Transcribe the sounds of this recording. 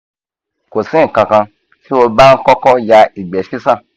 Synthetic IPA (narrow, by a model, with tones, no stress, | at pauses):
ko˨sĩ˦ŋ̩˨kã˧kã˧ | si˦wo˧ba˦n̩˦kɔ˦kɔ˦ja˧i˨ɡ͡bɛ˨ʃi˦sã˦˨